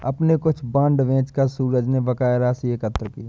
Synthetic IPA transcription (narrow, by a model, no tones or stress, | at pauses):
ɐpnekʊt͡ʃʰbãːɳɖʋẽːt͡ʃkasuːɾəd͡ʒneʋɐkaːɪɾasiekət̪ːɾkiː